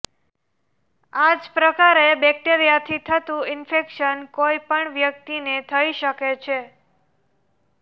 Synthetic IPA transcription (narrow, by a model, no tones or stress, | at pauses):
ad͡ʒpɾəkaɾebɛk̚ʈeɾijat̪ʰit̪ʰət̪ũɪnfekʃənkoipəɳʋjək̚t̪inet̪ʰəiʃəket͡ʃʰe